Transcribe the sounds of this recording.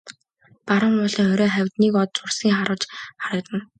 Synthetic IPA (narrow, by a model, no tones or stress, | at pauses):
paɾə̆mpɔɮiːŋœɾʲɔːχæwʲt̪niːkɔt̪̚t͡sʊrsiːŋχaɾʊːt͡ɕχaɾə̆kt̪ə̆n